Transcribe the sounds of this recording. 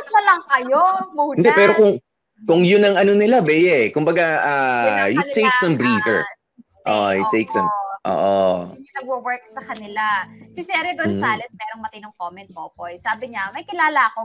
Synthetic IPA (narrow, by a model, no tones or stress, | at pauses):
ɐt̪mɐlɐŋkɐjomuːɪnd̪ɛpɛːɾokʊŋ | kʊŋjʊnɐŋɐno̞nɪlabɛjɛkʊmbɐɡaʔajɪt̪ejksɐmbɹiːfɛ̰ɹ | ʔo̰ʔjɪt̪ːeksɐ̰mʔo̰ːʔoinɐɡ̚wowɛɹk̚sɐkɐnɪlasɪsɛɾɪɡonsaːlɛsmɛːɾoŋmɐt̪ɪnoŋkoːmɛnt̪̚ʔoːpojsaːbɪɲamɐjkɪlaːlɐɐko